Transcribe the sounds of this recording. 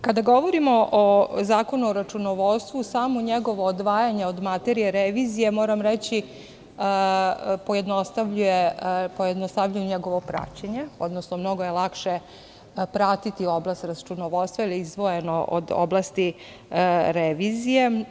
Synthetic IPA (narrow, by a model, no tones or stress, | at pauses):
kad̪aɡo̞ʋoɾimoʔozaːko̞nuoɾat͡ʃunoʋot̪st̪ʋusaːmoɲeɡo̞ʋoːd̪ʋaːjaɲeod̪mat̪eɾijeɾeʋiːzije̞mo̞ːɾamɾet͡ɕi | poje̞d̪nost̪aʋʎujepojed̪nost̪aʋʎujuɲeɡo̞ʋopɾa̰t͡ɕeɲe̞o̞d̪nosnomno̞ɡojelˠakʃe | pɾat̪it̪ioblast̪ɾat͡ʃunoʋot̪st̪ʋailiizd̪ʋojenoʔo̰d̪o̰blˠast̪i | ɾeʋizije